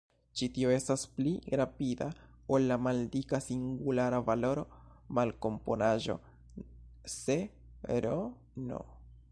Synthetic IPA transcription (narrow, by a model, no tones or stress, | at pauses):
t͡ʃitio̞e̞staspliɾapida | olːamaldikasiŋɡulaɾavalo̞ɾo̞ | malko̞mpo̞naʒo̞̰ | se | ɾo | no̰